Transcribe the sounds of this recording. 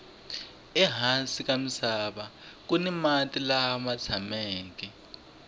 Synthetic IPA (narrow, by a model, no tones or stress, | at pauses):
ɛɦasik̬amisaɓak̬unimatʼilamat͡sʰamɛːk̬ɛ